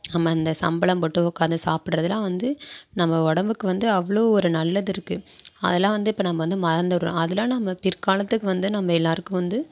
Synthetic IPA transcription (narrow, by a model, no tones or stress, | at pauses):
nɐmːɐɪnd̪ɐsɐ̰mbɐɭɐmpɔʈːɯʋɔkːaːɾnd̪ɯsaːpɪɽɾɐðɯlãːʋɐnd̪ɯnɐmːɐɔɽɐmbɯkːɯʋɐnd̪ɯɐʋːɐɭoːɔɾɯnɐlːɐðɪɾɯkːɯɐ̰ðɐlãːʋɐnd̪ɯɪpːoːnɐmːɐʋɐnd̪ɯmɐɾɐnd̪ɐɾ̰̃ɐðɪlãːnɐmːɐpɪɾkaːlɐt̪ːɯkːɯʋɐnd̪ɯnɐmːɐɛlːaːɾɯkːɯ̃ʋɐnd̪ɯ